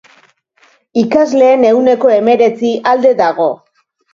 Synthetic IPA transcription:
ikazle̞ːne̞wne̞ko̞e̞me̞ɾe̞t͡siʔald̪e̞ðaɣ̞o̞

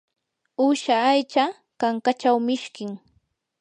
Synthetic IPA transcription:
ʊʃaːjt͡ʃa | kaŋkat͡ʃawmɪʃkɪŋ

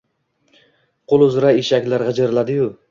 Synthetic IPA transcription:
qʰolˠʊzɾaeʃakʲlaɾʁɑd͡ʒaɾɪlad̪ɪjʊ

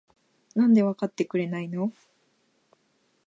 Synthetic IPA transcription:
nãnd̪e̞βakat̪ːe̞kɯ̟ɾe̞naino̞

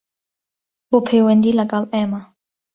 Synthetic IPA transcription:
bopʰewɛnd̪ilakalɛma

